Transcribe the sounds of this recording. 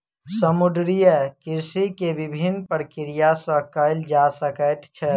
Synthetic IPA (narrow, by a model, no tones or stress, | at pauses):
səmʊd̪ɾijəkɪɾsikebɪbʱinpəɾkɪɾijasəkəld͡ʒasəkət̪t͡ʃʰɛ